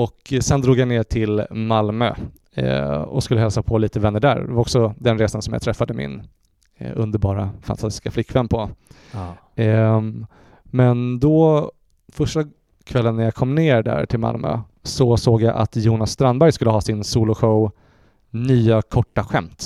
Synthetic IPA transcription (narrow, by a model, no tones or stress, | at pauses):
ɔksɛnd̪ɾuːɡjaneːʈʰɪlmalmø̰ | ɔ̰skɵlːəhɛlsapʰɔliːt̪əvɛnːəɖæ̰ːɾd̪ɛvaɾɔksɔd̪ɛnɾeːsansɔmja̰t̪ʰɾɛfːad̪əmɪ̰n | ɵ̰nd̪əɾbɑːɾafant̪ʰast̪ɪ̥skaflɪkːvɛnːpʰɔ | mɛnd̪ɔ | fœʂʈa | kʰvɛlːənːæɾjakʰɔmːneːɾɖæ̰ːɾʈʰɪlma̰lmø̰ | sɔsoːɡjaʔa̰t̪juːnasːt̪ɾanbæɾjskɵlːəɦɑːsɪnsuːlʊɧəʊ | nyːakʰɔʈːaɧɛmt̪